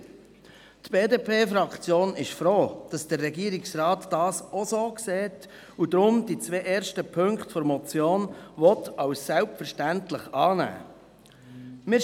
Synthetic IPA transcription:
tb̥eːdeːpʰeːfɾɑkχt͡sjoːnɪʃfɾoːd̥ɑsd̥ərːɛɡiːəɾɪksrɑːtd̥ɑːsosoːkseːt | ud̪ɾʊmd̥it͡sʋeːʔeːɾʃtəpʰɵŋkχtfɔɾmɔt͡sjoːnʋɔtɑwssɛwpfəɾʃtæntləχɑːnæ̰ː | mɪ

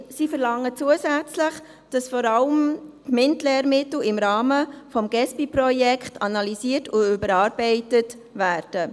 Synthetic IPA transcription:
sifəɾlɑŋːət͡suəsæt͡slɪχ | d̥ɑsfɔɾɑləmtmɪntlɛːɾmɪtl̩ɪmɾɑːməfɔmɡ̥ɛspipɾɔjɛkχtʰɑnɑlisiːətʰʊʏbəɾɑːɾb̥ɛɪtət | væːɾd̥ə

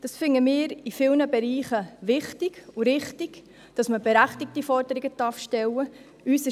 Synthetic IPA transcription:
d̥ɑsfɪŋəmɪːɾifɪlnəbɛɾiːχəvɪχtɪɡ̥uɾɪχtɪɡ̥ | d̥ɑsməbɛɾæχtɪk̚tifɔɾdəɾɪɡədɑɾfʃtɛlːə | yːsɪ

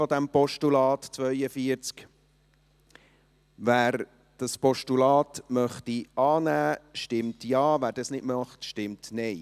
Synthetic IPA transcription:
fɔd̪æmpɔʃtulɑːtt͡svœʏəfiəɾt͡sk | væːɾ | d̥ɑspɔʃtulɑːtmœχtiɑːnæːʃtɪmtjɑːvæːɾdɑsnɪdmɑχtʃtɪmtnɛɪ

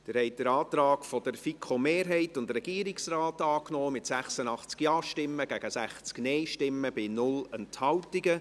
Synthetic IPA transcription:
d̥əɾhɛɪt̚d̥əɾɑːtɾɑːkfɔd̥əɾfikʰomeːɾɦɛɪtʊndrɛɡ̥iːəɾiksraːtɑːknɔːmɪtsæχsənɑχt͡skjɑːʃtɪmːəɡ̥æɡ̥əsæχt͡sknɛɪʃtɪmːəbɪnʊlɛnthɑwtiɡə

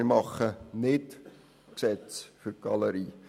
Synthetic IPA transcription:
ɪmɑχənɪt | ksɛt͡sfyrɡ̥ɑləɾiː

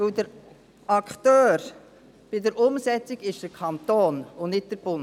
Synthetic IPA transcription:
ʋɵwdəɾ | ɑktøːɾ | b̥ɪdəɾʔʊmsɛt͡siɡɪʃd̥əɾkʰɑnt̪oːnʊnɪt̚d̥əɾb̥ʊn

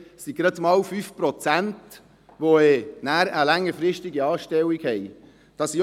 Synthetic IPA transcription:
siɡɾɑtmɑwfyfpɾɔt͡sænt | ʋoeːnæːɾəlæŋːəɾfɾɪʃtɪɡiɑːʃtɛwikhɛɪ | d̥ɑsi

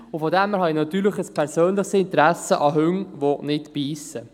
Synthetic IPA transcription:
ʊfɔdɛmɛhɑinɑt̪yːɾləχəspʰɛɾsøːnləχsɪnt̪əɾæsəʔɑɦʏŋʋonɪtpiːsə

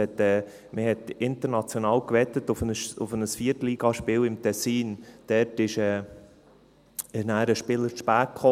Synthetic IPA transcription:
ɛt̪ɛː | məhɛtɪntəɾnɑt͡sjonɑːlkvɛtətʊfənəʊfənəsfiːəɾtliːɡɑʃpɪːlɪmtʰɛsiːnd̥ɛɾtɪʃɛː | næːɾəʃpɪləɾʃpæːkχo

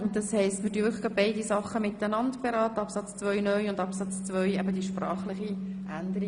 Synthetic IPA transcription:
ʊnd̥ɑshɛɪstmɪtyɪχɡɑbɛɪdisɑχəmɪt̪ːənɑndb̥eɾɑːt̪əɑpsɑt͡st͡sʋœʏnœʏʊnd̪ɑpsɑt͡st͡sʋœʏjɛbədiʃprɑːχlɪχiʔænd̪əɾi

